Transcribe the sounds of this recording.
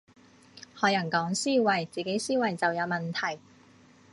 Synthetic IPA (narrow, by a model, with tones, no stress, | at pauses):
hɔː˨˧jɐ˨˩nkɔː˨˥ŋsiː˥wɐ˨˩jt͡siː˨ke˨˥jsiː˥wɐ˨jt͡sɐ˨wjɐ˨˧wmɐ˨˩nt̪ʰɐ˨˩j